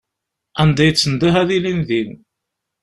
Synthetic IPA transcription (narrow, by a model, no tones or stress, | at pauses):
ænd̪æjət͡sːənd̪iɦæðilinðin